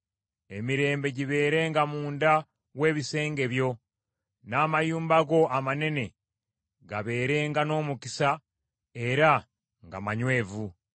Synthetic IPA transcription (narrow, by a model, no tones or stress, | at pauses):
e̞miɾe̞ːmbe̞ɟiβe̞ːɾe̞ŋɡamuːnda | we̞ːβise̞ːŋɡe̞βjo̞ | naːmajuːmbaɡo̞ʔamane̞ne̞ | ɡaβe̞ːɾe̞ːŋɡano̞ːmukisa | e̞ɾa | ŋɡa̰maɲwe̞ːvu